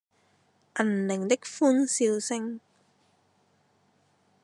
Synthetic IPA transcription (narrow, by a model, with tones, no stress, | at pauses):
ʔɐ˨˩nlɪ˨˩ŋt̪ɪ˥k̚fuː˥nsiː˧wsɪ˥ŋ